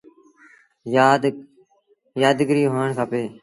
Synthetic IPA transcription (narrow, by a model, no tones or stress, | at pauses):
jaːd̪ɡəɾiːɦoːəɳkʰaːpeː